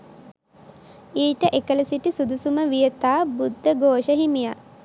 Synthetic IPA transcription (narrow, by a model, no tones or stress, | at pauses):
iːʈəʔekələsiʈisud̪usuməʋijət̪aːbud̪ʱːəɡoːʃəɦimija